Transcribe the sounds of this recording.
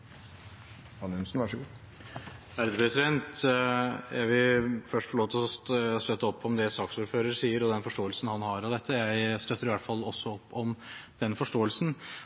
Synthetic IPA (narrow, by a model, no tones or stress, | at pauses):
ɑnʉnsnʋæʂɔɡu | ʋæɾd̪əpʰɾɛsɪd̪ɛnt̪ | jæɪʋɪlfœʂʈfɔɭoːt̪ʰəɔst̪œt̪ːəɔpʰːɔmd̪ɛsɑːksuːɾføːɾəɾsiːəɾɔd̪ɛnfɔʂʈoːəlsnhɑnɦɑɾɑd̪ɛt̪ʰːəjæɪst̪œt̪ːəɾɪʋæʈfɑlːɔsːɔɔpːɔmd̪̥ɛnfɔʂʈoːəlsn